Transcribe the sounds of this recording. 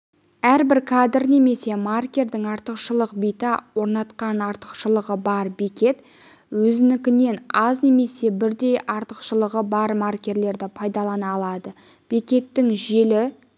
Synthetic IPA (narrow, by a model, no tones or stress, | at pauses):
æɾbɪɾkʰad̪rne̞me̞se̞markʲe̞rd̪ɪŋɑɾt̪əqʃəlˠəqbijt̪ɪwo̞ɾnɑt̪qɑnɑɾt̪ə̥qʃəlˠəʁəbɑɾbekʲe̞t̪ | wɵzɪnɪkʲɪne̞nɑzne̞me̞se̞bɪɾd̪e̞jʔɑɾt̪əqʃəlˠəʁəbɑɾmarkʲe̞ɾle̞ɾd̪ɪpʰɑjd̪ɑlˠɑnɑːlˠɑd̪ə | b̥ekʲe̞t̪ːɪŋʒe̞lɪ